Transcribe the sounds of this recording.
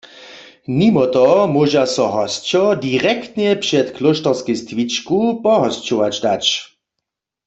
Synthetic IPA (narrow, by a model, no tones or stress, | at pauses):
nimɔt̪ɔmoʒasɔɦɔst͡ʃɔdiʁɛkt̪nɛpʂɛt̪kloʃtɔʁskist̪ʋit͡ʃkupɔɦɔst͡ʃɔwad͡ʒdat͡ʃ